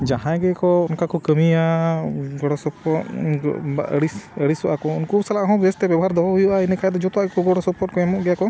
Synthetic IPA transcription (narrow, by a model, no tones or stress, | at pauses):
d͡ʒaɦãɡɛkɔɔnkakɔkəmia | ɡɔɽɔsɔpɔt | a̰ə̰ɽisəɽisɔʔakɔunkusalaʔɦɔ̃bɛst̪ɛbɛbɔɦaɾd̪ɔbɔbɔjuʔainɛkʰajd̪ɔd͡ʒɔt̪ɔaʔkɔɡɔɽɔsɔpɔt̚kɔɛmɔʔɡɛjakɔ